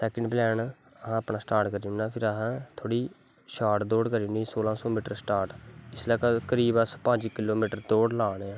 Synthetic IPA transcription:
sɛːkəɳɖplɛːn | əɦãːəpnãːsʈaːɾʈkəɾiːũnaːpʰɪɾəɦãːt̪ʰoːɽiː | ʃaːʈd̪oːɽkəɾiʊniːsoːlãːsɔːmiːʈəɾsʈaːɾʈɪslaːkakəɾiːbəspə̃ːɲd͡ʒkɪloːmiːʈəɾd̪oːɽlaːɽeãː

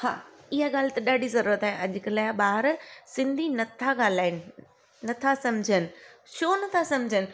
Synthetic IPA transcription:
ha̰ːɪɦaɠaːlt̪ɐɗaːɖʱizɐɾuːɾət̪aːɦeʔɐʄʊkəlaːɓaːɦɾsɪ̃nd̪ʱinɐt̪ʰaɠaːl̤aːɪnɪ̆ | nɐt̪ʰasɐmd͡ʑʱənɪ̆ʃoːnɐt̪ʰasɐ̃md͡ʑʱənɪ̆

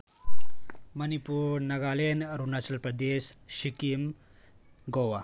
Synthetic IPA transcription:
mənipuːɾnɐɡaːlenɾunat͡ʃɐlpɾɐd̪esʃikim | ɡowa

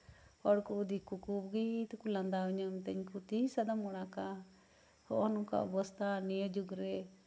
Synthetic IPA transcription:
hɔɽkuʔd̪ikukubɡit̪kuland̪aɔɲəmt̪ɛɲkut̪isad̪amɔɽ̃aka | hɔʔɔnuka̰ʔɔ̰bɔst̪ʰanijəd͡ʒuɡɾɛ

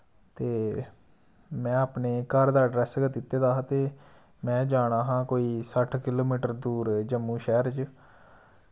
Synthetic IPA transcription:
t̪eː | mɛ̃ːaːpneːkəɾd̪aːɖɾɛːsɡət̪ɪt̪ːeːd̪aːɦãt̪eː | mɛ̃ːd͡ʒaːɽ̃aːɦãːkoːiːsəʈʰkɪloːmiːʈəɾd̪uːɾd͡ʒəmːũːʃɛːɾt͡ʃ

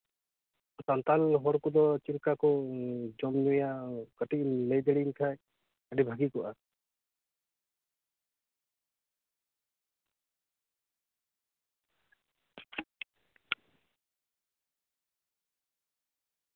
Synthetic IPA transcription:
sɔnt̪anɦɔɽkɔd̪ɔt͡ʃiɾkakɔd͡ʒɔmnujakəʈiʔ̚lejd̪eɽiŋkʰaj | əɖibʱaɡikɔʔa

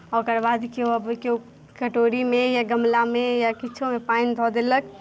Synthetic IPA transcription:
ɔːɾkɐɾbaːd̪koɐbko | kɐʈoːɾimẽjaɡɐmlamẽjakɪt͡ʃʰõmẽpaːind̪ʱɔːd̪eləɡ̚

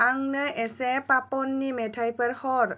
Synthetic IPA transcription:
aŋnəʔɛsɛpapɔnːimɛtʰajpəɾhɔɾ

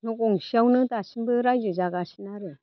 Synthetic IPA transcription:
noɡoŋsiawnɯdasimbɯɾajd͡ʒuzaɡasi̥naɾɯ

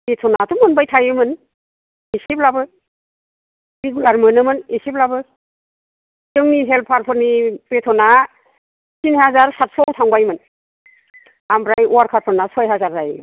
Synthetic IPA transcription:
petʰɔnatumɔnbajtʰajɯmɯn | isiplabɯ | ɾeɡulaɾmɯnɯmɯnisiplabɯ | tɯŋniɦel̚pʰaɾpʰɯɾnipetʰɔna | sinhazaɾsat̚sɔwtʰaŋbajmɯn | ambɾajɔwaɾkʰaɾpʰɯɾnasɔjɦazaɾːajɯ

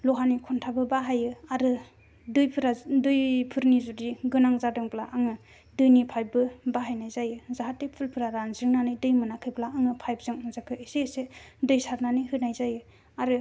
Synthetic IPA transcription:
lɔɦanikʰɔntʰabɯbaɦajɯaɾɯ | dɯjpʰɯɾadɯjpʰɯɾnizudiɡɯnaŋzadɯŋplaʔaŋɯ | dɯjnipʰajbɯbaɦajnajzajɯzaɦatːepʰulpʰɯɾaɾanzɯŋnanɯjdɯjmɯnakʰɯjplaːŋɯpʰajb̚zɯŋnazakʰɯesesedɯjsaɾnanihɯnajzajɯ | aɾɯ

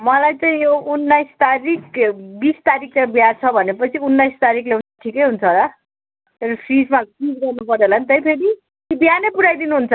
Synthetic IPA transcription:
mʌlajt͡saĩjounːajst̪aɾikbist̪aɾikʰːabiat͡sʰʌbʱʌnepʌt͡sʰiunːajst̪aɾikʰleunt͡sʰʌʈʰikʌjɦunt͡sʰʌlʌ | eɾʌpʰrid͡zmakid͡zɡʌrnupʌɾolanit̪ʌjpʰeɾi | kibjanepuɽajd̪inuɦunt͡sʰʌ

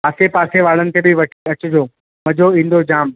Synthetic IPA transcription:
paːsepaːseʋaːɽənɪ̆k̪ʰeːbʱɪʋɐʈʰiɐt͡ɕʊd͡ʑʱoː | mɐ̃d͡ʑoĩːn̆d̪od͡ʑaːm

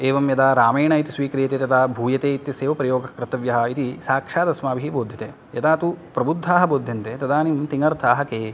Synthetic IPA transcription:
eːʋɐmjɐd̪aːɾaːmeːɳɐit̪isʋiːkɾijɐt̪eːt̪ɐd̪aːbʱuːjɐt̪eːit̪jɐseːʋɐpɾɐjoːɡɐkɾɪt̪ɐʋjɐɦɐ̆it̪isaːkʂaːd̪ɐsmaːbʱiɦiboːd̪ʱjɐt̪eː | jɐd̪aːt̪upɾɐbud̪ʱːaːɦɐ̆boːd̪ʱjɐnt̪eːt̪ɐd̪aːnimt̪iŋɐɾt̪ʰaːɦɐkeː

